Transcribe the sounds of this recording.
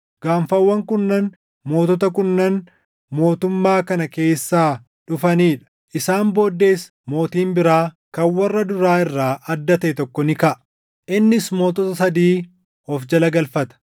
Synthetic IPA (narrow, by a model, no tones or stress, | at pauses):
ɡ̥aːɱfɐwːɐŋkʊnːɐn | mo̞ːt̪ɔt̪ɐk̬ʊnːɐn | mo̞ːt̪ʊmːaːkɐnɐke̞ːsːaː | ᶑʊfɐniːᶑɐ̥ | ʔɪsaːmbo̞ːd̪ːe̞ːs | mo̞ːt̪iːmbɪɾaː | kɐnwɐrːɐd̪ʊɾaːɪrːaːʔɐd̪ːɐt̪ɐʔɛt̪ɔkːɔnɪkɐʔɐ | ʔɪnːɪsmo̞ːt̪ɔt̪ɐsɐd̪iː | ɔfd͡ʒɐlɐɡɐlfɐt̪ɐ̥